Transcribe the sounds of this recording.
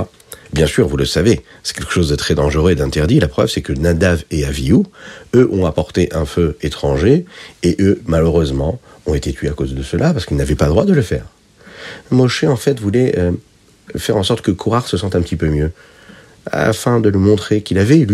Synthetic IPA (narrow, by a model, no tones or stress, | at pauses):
bjɛ̃syʁvuləsave | sɛ̥kʲɛlkə̥ʃozd̪ət̪χɛd̪ɑ̃ʒəʁøed̪ɛ̃t̪ɛʁd̪ilapχœ̰vsɛkənad̪aveaviuøʔɔ̃apɔʁt̪eʔɛ̃føet̪χɑ̃ʒeeʔømaløʁøzmɑ̃ | ɔ̃et̪et̪ɥeakozd̪əsəlapaʁsə̥kilnavɛpad̪ʁwad̪ələfɛ̰ːʁ | mɔʃeɑ̃fɛt̪vulɛø | fɛʁɑ̃sɔʁt̪kəkʰuʁaʁsəsɑ̃t̪ɛ̃pət̪ipømjø | a̰fɛ̃d̪ələmɔ̃t̪χekʲilavɛlɥi